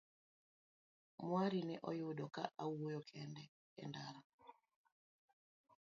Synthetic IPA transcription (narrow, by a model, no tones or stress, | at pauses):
mwaɾinɛʔɔjʊɗɔka̰ʔawojɔkʰɛndɛ | ɛ̰ndaɾa